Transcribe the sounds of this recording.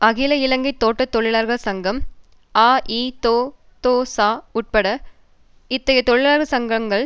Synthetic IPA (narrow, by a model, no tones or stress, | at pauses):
ɐɣɪlɐɪlɐŋɡɐɪt̪ːoːʈːɐt̪ːɔɭɪlaːɾɣɐsɐŋɡɐm | aːʔiːt̪oː | t̪oːsaːʊʈ̚pɐɽɐ | ɪt̪ːɐjɐt̪ɔɭɪlaːɾɣɐsɐŋɡɐŋɡɐɭ